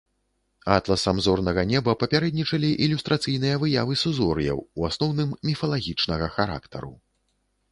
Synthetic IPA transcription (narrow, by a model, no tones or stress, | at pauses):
at̪lˠɐsamzɔrnɐɣɐnʲɛbɐpɐpʲaɾɛd̪nʲit͡ʂɐlʲiʔilʲust̪ɾʔat̪sɨjn̪ɨjɐvɨjavɨsuzɔɾjɐ̰wuasnɔwnɨmːʲifɐlˠaɣʲit͡ʂnɐɣɐxaɾa̰kt̪ɐ̰ɾṵ